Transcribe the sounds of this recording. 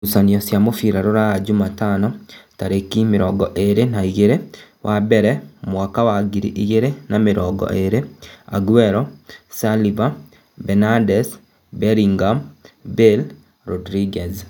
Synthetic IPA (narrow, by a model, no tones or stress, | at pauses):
usaniɔsjamofiɾaɾoɾajad͡ʒumatanɔtaɾekimeɾɔɡɔʔeɾenaiɣeɾewʔabɛɾɛmwakawaɡiɾḭʔiɣeɾenameɾɔɡɔ̰ʔeɾea̰ɡuɛɾɔsaliva | bɛnadɛs | bɛɾiŋɡambel | ɾɔdɾiɡɛs